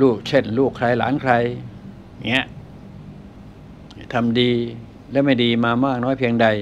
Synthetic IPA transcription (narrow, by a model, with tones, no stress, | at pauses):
luː˥˩k̚t͡ɕʰe˥˩nluː˥˩kʰɾa˧jla̰ː˩˦nkʰɾa˧j | ŋi˦˥ɐʔ | t̪ʰa˧mdiː˧ | lɛː˦˥ma˥˩jdiː˧maː˧maː˥˩k̚nɔː˦˥jpʰi˧əŋda˧j